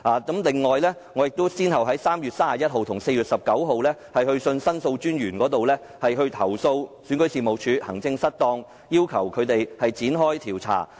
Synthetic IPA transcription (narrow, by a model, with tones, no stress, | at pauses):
ʔaː˨˩kɐ˨˥mlɪ˨ŋːɔː˨jlɛː˥ŋɔː˨˧jɪ˨k̚t̪o˥wsiː˥nɦɐ˨˩wɦɐ˨˥jsaː˥mjyː˨t̚saː˥aː˨˩jɐ˥t̚ɦo˨wt̪ʰʊ˨˩ŋse˧jyː˨t̚sɐ˨p̚kɐ˨˥wɦo˨˧wlɛː˥hɐ˨jhɵ˧ɥsɵ˧nsɐ˥nso˧wt͡ʃyː˥njyː˨˩nkɔː˨˥t̪o˨wlɛː˥ | hɐ˨jɦɵ˧ɥt̪ʰɐ˨˩wso˧wsyː˨˥nkɵ˨˥ɥsiː˨mo˨wt͡ʃʰyː˨˧hɐ˨˩ŋt͡sɪ˧ŋsɐ˥t̚t̪ɔː˧ŋ | jiː˥wkʰɐ˨˩wkʰɵ˨˧ɥt̪e˨jhɐ˨jt͡siː˨˥nɦɔː˥jt̪ʰiː˨˩wt͡sʰa̰ː˨˩